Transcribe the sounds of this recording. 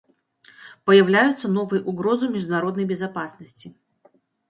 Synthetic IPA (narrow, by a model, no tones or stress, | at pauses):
pəjɪvlʲæjʊt̪sənovɨjʔʊɡɾozɨmʲɪʐd̪ʊnɐɾod̪nəjbʲɪzapasnəsʲt͡sʲɪ